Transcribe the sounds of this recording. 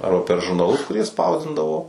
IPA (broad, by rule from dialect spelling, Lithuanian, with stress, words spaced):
ˈɐrbɐ pʲɛr ʒʊrnɐˈlˠʊs kʊˈrʲiɛ ˈspɐʊzʲdʲɪndɐʋoː